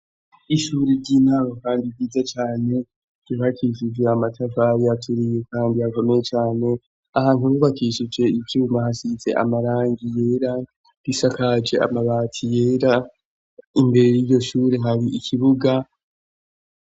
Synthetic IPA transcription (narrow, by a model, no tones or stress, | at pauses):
iʃuɾiɾɟiːnaːɾokaːndivɡiːzat͡ʃaːne̞̥ | iβakʰiʃ̬id͡ʒe̞amatʰavaɾiatʰuɾije̞kaːndihako̞me̞jet͡ʃaːne̞ | ahaːnuβuβakiʃid͡ʒe̞ivjuːmahasize̞̰ʔa̰maɾaːŋɡije̞ːɾa | ɾisakad͡ʒe̞a̰maβaːtʰije̞ːɾa | imbe̞ɾe̞jiɾɟo̞ʃuːɾeɦaɾiʔikʰiβuɡa